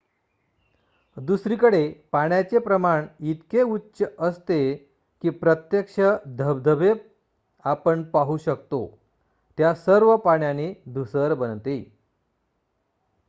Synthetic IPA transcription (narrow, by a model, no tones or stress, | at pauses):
d̪usɾikəɽepaɳjat͡sepɾəmaɳit̪keutːɕəəst̪e | kiːpɾət̪jəkʂəd̪ʱəbd̪ʱəbe | apəɳpaɦuɕək̚t̪o̰ | t̪jasəɾʋəpaɳjaned̪ʱusəɾbənt̪e